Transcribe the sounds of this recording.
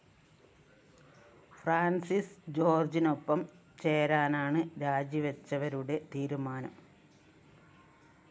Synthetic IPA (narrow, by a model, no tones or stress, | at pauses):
fraːnsisd͡ʑo̞ːrd͡ʑino̞pːɐm | t͡ɕe̞ːɾaːnaːɳɨɾaːd͡ʑiʋɐt͡ɕːɐʋɐɾuɽe̞t̪iːɾumaːnɐ̰m